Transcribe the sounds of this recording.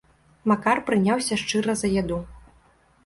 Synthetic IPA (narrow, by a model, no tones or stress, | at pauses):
makarpɾɨnʲawsʲɐʂt͡ʂɨɾɐzɐjad̪u